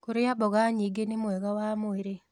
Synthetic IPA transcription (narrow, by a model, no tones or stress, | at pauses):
koɾejabɔɣaɲiɡenɪmoɛɡawamoeɾe